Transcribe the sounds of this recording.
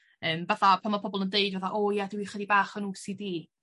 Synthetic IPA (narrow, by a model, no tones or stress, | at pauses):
əːmbɛθapʰamapʰɔbɔlˠəndeɨdvɛθaʔojadɪwiχədibaːχənuːsidiː